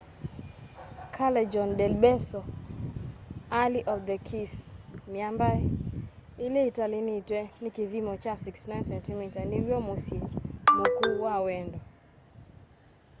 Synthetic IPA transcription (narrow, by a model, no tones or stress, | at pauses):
kʰalɛd͡ʒɔndɛlbɛsɔ | aliʔɔfd̪ɛkʰismjambaɛ | ɪleitalɪnitwɛnɪkiðimɔt͡ʃasiksnansɛntɪmitaniɾjomusjemokuwawɛndɔ